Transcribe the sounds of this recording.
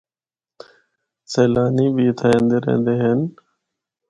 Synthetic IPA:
seːlaːniːbiːt̪ʰaːẽːnd̪eːɾḛːnd̪eːɦən

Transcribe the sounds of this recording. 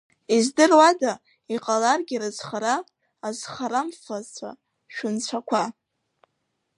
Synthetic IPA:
izdɨrwada | iqʼalarɡʲiɾɨzχaɾaː | zχaɾamfat͡sʷʰa̰ | ʃᶣʊnt͡ɕʷʰakʷʰa

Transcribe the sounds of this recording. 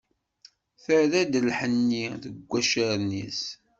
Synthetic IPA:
θəðæd̪əlħənːiðəɡʷːæʃəɾnḭs

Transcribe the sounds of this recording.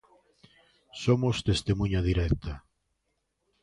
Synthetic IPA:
somʊst̪est̪emũɲaðiɾɛkt̪ʰa

